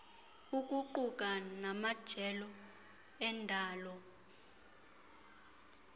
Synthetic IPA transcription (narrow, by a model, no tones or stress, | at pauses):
uk̬ʼuǃukʼanamad̥ʒ̥ʱɛlɔ | ɛndʱaːlɔ